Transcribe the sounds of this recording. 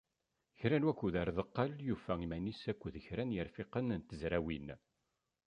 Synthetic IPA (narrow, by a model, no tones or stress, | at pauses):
çɾænwækʷːuðaɾðəqːɑljufæimænisækʷːðəçɾænjəɾfiqənnt̪əzɾæwin